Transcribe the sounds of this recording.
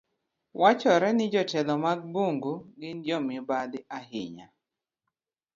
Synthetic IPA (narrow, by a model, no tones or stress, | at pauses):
wat͡ʃɔɾɛnɪd͡ʒɔtɛlɔmaɡ̚boŋɡuɡɪndjɔmɪbadɪahɪ̰ɲa̰